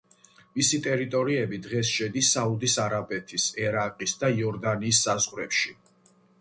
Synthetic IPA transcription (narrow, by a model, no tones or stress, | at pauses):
misit̪ʼɛɾit̪ʼɔɾiɛbid̪ʁɛsʃɛd̪isaud̪isaɾabɛt̪ʰisɛɾaqʼisd̪aiɔɾd̪aniːsːazʁɾɛpʃi